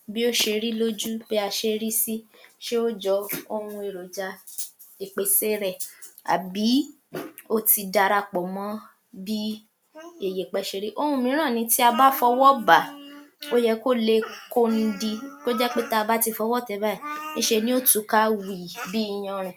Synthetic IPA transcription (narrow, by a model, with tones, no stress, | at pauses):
bi˦o˦ʃe˧ɾi˦lo˦d͡ʒu˦b̥e˦a˧ʃe˧ɾi˦si˦ʃe˦o˦d͡ʒɔ˧˦o˧wũ˧e˨ɾo˨d͡ʒa˧ | i˨k͡pe˧˦se˦ɾɛ˦˨a̰˨bi˨˦ | o˦ti˧da˧ɾa˧k͡pɔ˨mɔ̃˨˦ | bi˦ | e˨je˨k͡pɛ˧ʃe˧ɾi˦ʔo˦˧hũ˧˦mĩ˨˦ɾ̃ã˦˨nĩ˨˧˦ti˦a˧ba˦fɔ˧wɔ˦ba˨o˦jɛ˧ko˦˨le˧ko˧n̩˧˦di˧ko˦d͡ʒɛ˦k͡pe˦ta˦˧ba˦ti˧fɔ˧wɔ˦˨tɛ˧˦ba˦i˦˨nĩ˦ʃe˧nĩ˦o˦tu˨˦ka˦wi˨bi˦i˦˧j̃ã˧ɾ̃ũ˨